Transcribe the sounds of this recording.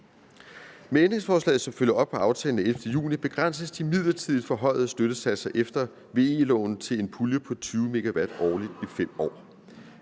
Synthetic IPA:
meend̥ʁe̝ŋsfɒːslɛ̰ːð̩ˠsɒ̽mføljɐɒ̽b̥̚pʰɒ̽ɑ̈ʊt͡sʰɛ̰ːln̩æelfd̥əjṵːnib̥e̝ɡ̥ʁan̰səsd̥imið̞̰ˠlɐt͡sʰið̰ˠd̥fɒ̽ɦɒ̽ɪ̰ð̩ˠsd̥øɾ̥əsæd̥sɐʔefd̥ɐ | ʋe̝ːe̝lɔ̰ːʊn̩t͡sʰe̝le̝npʰuljəpʰɒ̽t͡sʰyːʊme̝ɡ̥æʋæd̥ɒːlid̥ifem̰ɒ̰ː

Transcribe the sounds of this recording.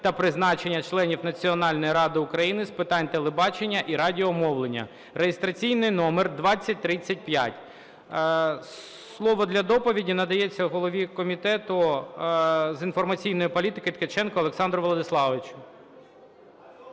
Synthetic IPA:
t̪ɐpɾɪznɑt͡ʃenʲːɐt͡ʃlˠɛnʲiwnɐt͡sʲiɔnɑlʲnɔjiɾɑd̪ɪʊkɾɐjinɪspɪt̪ɑnʲt̪elˠebɑt͡ʃenʲːɐʔiɾɑdʲiɔmɔʋlˠenʲːɐ̰ | rejest̪ɾɐt͡sʲijnɪjnɔmerd̪ʋɑt͡sʲːɐt̚ʲt̪ɾɪt͡sʲːɐt̚ʲpjatʲ | s | lˠɔʋɔd̪lʲɐd̪ɔpɔʋʲidʲinɐd̪ɐjɛt͡sʲːɐɦɔlˠɔʋʲikɔmʲit̪ɛt̪ʊ | zinfɔrmɐt͡sʲijnɔjipɔlʲit̪ɪkɪt̪ket͡ʃɛnkɔɔlˠeksɑnd̪ɾɔʋɔlˠɔd̪ɪslˠɑʋɪt͡ʃʊ̥

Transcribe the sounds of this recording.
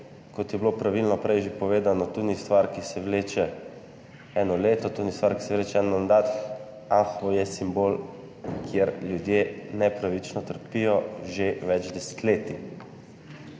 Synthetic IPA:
kɔt̪jɛblopɾaʋilnɔpɾɛjʒepɔʋeːd̪anɔt̪unist̪ʋaɾkisɛʋleːt͡ʃɛ | ɛːnɔleːt̪ɔt̪unist̪ʋaɾki̥sɛʋleːt͡ʃɛɛnnmand̪at̪ | axojɛsimboːl | kʰjeɾljud̪jenɛpɾaʋit͡ʃnɔt̪əɾpijɔʒeʋɛd͡ʒd̪ɛsɛ̥t̪leːt̪i

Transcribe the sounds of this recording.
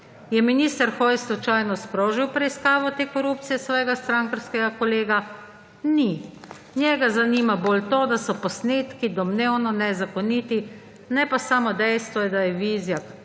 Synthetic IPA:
jɛminiːst̪əɾxɔjslɔt͡ʃajnɔspɾoːʒiwpɾɛiskaːʋɔt̪eːkɔɾup̚t̪sijɛsʋɔːjɛɡast̪ɾaŋkaɾskɛɡakɔleːɡa | ni | njɛɡazaniːmabolt̪oːd̪asɔpɔsneːt̪kid̪ɔmneːwnɔnɛzakɔnit̪i | nɛpasaːmɔd̪ɛjst̪ʋɔjɛd̪ajɛʋiːzja

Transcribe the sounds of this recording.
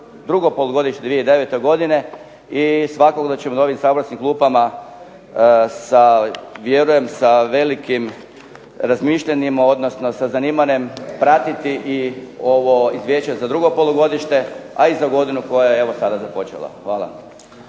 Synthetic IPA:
d̪ɾuɡopo̞lˠuɡo̞d̪iʃt̪ed̪ʋieid̪e̞ʋet̪oɡo̞d̪ine̞ | isʋakokd̪at͡ɕemono̞ʋimsaobɾasnimklˠuːpama | saʋje̞ɾuje̞msaʋe̞likim | ɾazmiʃʎanimao̞d̪nosno̞sazaniːmane̞mpɾat̪it̪iʔio̞ʋoizʋje̞t͡ɕezad̪ɾuɡopo̞lˠuɡo̞d̪iʃt̪e̞aizaɡo̞d̪inuko̞jajeeʋosad̪azapo̞t͡ʃḛlˠa̰xʋaːlˠa̰

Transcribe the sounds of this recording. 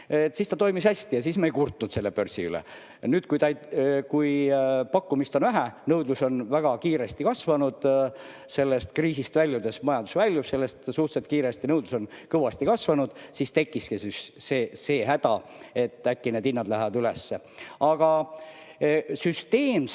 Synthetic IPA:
et̪ːˑsiːst̪ɑt̪o̞jmishæsʲt̪ijɑsiːsmeejkurt̪ˑunut̪se̞lːepø̞rsiylḛ | nyːd̪̥kujt̪ɑjkujpɑkːumist̪o̞nvæɦænɤwd̪luso̞nvæɡ̥ɑkiːɾest̪ikɑsvɑnud̪̥ | se̞lːest̪̚kriːsist̪vælʲːjud̪̥e̞smɑjɑnd̪̥u̥svælʲːjupse̞lːest̪suht̪set̪̚kiːɾest̪inɤwd̪luso̞n | kɤvɑst̪ikɑsvɑnud̪̥sist̪e̞kːˑiskisysese̞ːɦæd̪̥ɑe̞t̪ːˑækːined̪inːɑd̪læɦævɑd̪ylesːe | ɑɡ̥ɑ | syst̪e̞ːm

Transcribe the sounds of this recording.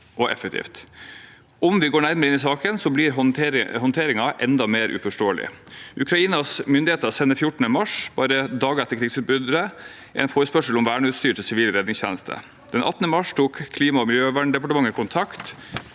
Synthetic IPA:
ʔɔʔɛ̰fɛkt̪ʰḭːft̪ | ʔɔmʋɪɡoːɳæɾməɾəɪnɪs̬ɑːkənsɔbliɾɦɔnt̪ʰeːɾɪŋɑʔɛnd̪ɑmeːɾʔʉ̰fɔʂʈoːəlɪ̰ʔʉkʰɾɑiːnɑsmʏnd̪ɪheːt̪əɾɑsɛnəfjʊʈːəɳəmɑʂbɑːɾəd̪ɑːɡɛt̪ːəɾkʰɾiːɡsʉːt̪̚bʏd̪əɾə | ʔɛ̰ɪnfoːɾəspœʂəl̩ɔmʋæːɳəʉːt̪st̪yːɾʈ̪ʰɪlsɪʋiːlɾɛd̪nɪŋsçæ̰ːnəst̪ʰə̰ | d̪̥ɛnʔɑ̰t̪ːənəmɑʂt̪ʰuːkʰːliːmɑɔmɪljøːʋæɳɖɛpɑʈəmɑŋːəkʰʊnt̪ʰɑkt̪

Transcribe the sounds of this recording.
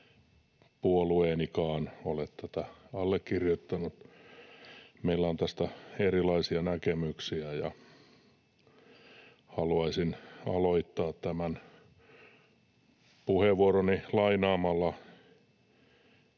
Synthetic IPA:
puolueːnikɑːnolet̪t̪æt̪æɑlːekkirjot̪ːɑnut̪ | meilːæont̪æst̪æerilɑisiɑnækemyksiæjɑ̰ | hɑluɑisinɑ̰loit̪ːɑːt̪t̪æmæn | puheʋʋuoronilɑinɑːmɑlːɑ

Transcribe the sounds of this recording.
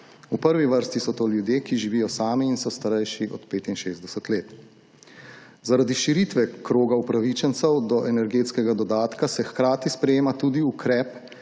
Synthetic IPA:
upəɾʋiʋəɾst̪isɔt̪oːljud̪jeːkiʒiʋiːjɔsaːmiiːnsɔst̪aɾɛjʃiʔɔ̰t̪peːt̪inʃeːzd̪ɛsət̪leːt̪ | zaɾad̪iʃiɾit̪ʋɛkɾoːɡaupɾaʋit͡ʃɛnt̪sɛwd̪ɔʔɛnɛɾɡeːt̪skɛɡad̪ɔd̪aːt̪kasɛxkɾaːt̪ispɾɛjeːmat̪uːd̪iukɾɛp

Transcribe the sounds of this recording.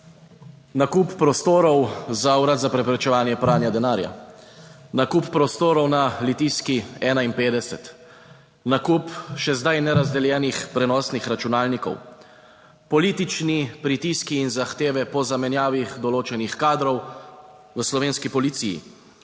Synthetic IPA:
nakupːɾɔst̪oːɾɔwzawɾat̪zapɾɛpɾɛt͡ʃɛʋaːnjɛpɾaːnjad̪ɛnaːɾja̰ | nakupːɾɔst̪oːɾɔwnalit̪iːskiɛːnainpeːd̪ɛsɛt̪ | nakupʃɛzd̪ajnɛɾazd̪ɛljɛːnixpɾɛnɔsnixɾat͡ʃunaːlnikɔ̰w | pɔliːt̪it͡ʃnipɾit̪iskiːnzaxt̪eːʋɛpɔzamɛnjaːʋiɣd̪ɔloːt͡ʃɛnixkaːd̪ɾɔw | ʋəslɔʋeːnskipɔlit̪siːjḭ

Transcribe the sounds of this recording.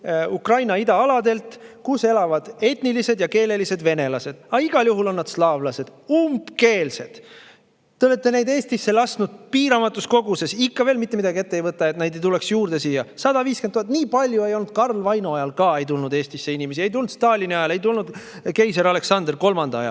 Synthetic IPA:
ukrɑjnɑid̪ɑɑlɑd̪e̞lt̪ˑkuse̞lɑvɑd̪̥e̞t̪nilise̞d̪jɑke̞ːle̞lise̞d̪ve̞ne̞lɑse̞d̪̥ɑiɡ̥ɑljuɦulo̞nːɑd̪̥slɑːvlɑse̞d̪̥umbke̞ːlse̞d̪̥ | t̪ːe̞o̞le̞t̪ːe̞ne̞jd̪e̞ːst̪isːe̞lɑst̪nud̪̥̚piːɾɑmɑt̪ːˑusko̞ɡuse̞sikːɑve̞ːlmit̪ːemid̪̥ɑɡie̞t̪ːejvɤt̪ːˑɑet̪nejd̪e̞jt̪ule̞ksjuːrd̪̥e̞siːjɑsɑd̪̥ɑviːskent̪ːuoɑt̪̚niːpɑlʲjue̞jo̞lnud̪̥̚kɑrlvɑjnuɑjɑlkɑe̞jt̪ulnud̪e̞ːst̪isːe̞inime̞s̬ie̞jt̪ulnud̪st̪ɑːlʲiniɑjɑle̞jt̪̬ulnud̪̥ | ke̞jseɾɑle̞ksɑnd̪rko̞lmɑnd̪̥ɑɑjɑ̰l

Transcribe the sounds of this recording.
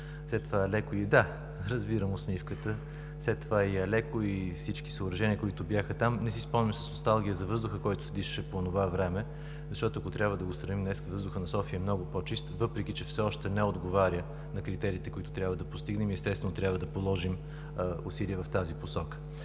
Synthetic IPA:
slɛt̪ːovaɛlɛkʊid̪a | ɾɐzbiɾəmosmifkət̪ə | fslɛt̪ːovaiɐlɛkoifsit͡ʃki̥səːɾɐʒɛniəkoit̪ʊbjaxət̪amnɛsispɔlnimsə̥snost̪alˠɡʲijəzɐvɤzd̪ʊxəkɔjt̪ʊ̥sɛd̪iʃə̥ʃɛpoːnovavɾɛmɛ | zɐʃt̪ɔt̪oɐkot̪ɾʲjabvəd̪ɐɡost̪ɾɐvimnɛskəvɤzd̪ʊxənɐsɔfiəɛmnɔɡʊpot͡ʃist̪vɤpɾɛk̟it͡ʃɛfsɛɔʃt̪ɛnɛod̪ɡovaɾʲjə | nɐkɾit̪ɛɾiːt̪ɛkoit̪ʊ̥t̪ɾʲabvəd̪ɐpost̪iɡnɛmiɛst̪ɛsvɛnot̪ɾjabvəd̪ɐpolˠɔʒim | usiliəvɐft̪aziposɔkə̥

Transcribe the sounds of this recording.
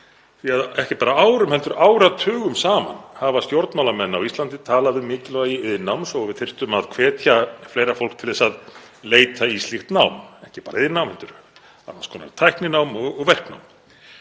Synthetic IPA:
θiaðɛhcɪpaːɾaaːwɾʏmhɛlt̪ʏɾaːwɾat̪ʰʏːɣʏmsaːma̰nhavast̪joɾt̪nmawlamɛnːawist̪lant̪ɪt̪ʰaːlaðʏmɪːcɪlɔɣaiɪðɪnawmsɔɣvɪðθɪr̥t̪ʏmaðkʰvɛːt̪ʰjafleːjɾafowl̥kt̪ʰɪlðɛsað | leːjt̪ʰaislixt̪nawmɛhcɪpaːɾaɪðɪnawmhɛlt̪ʏɾ | a̰naskʰɔːna̰ðt̪ʰajhknɪnawmɔɣɔɣvɛr̥kna̰wm

